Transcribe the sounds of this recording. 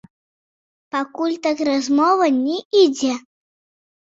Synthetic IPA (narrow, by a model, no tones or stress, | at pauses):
pakulʲt̪akrazmɔvɐnʲɛid͡zʲɛ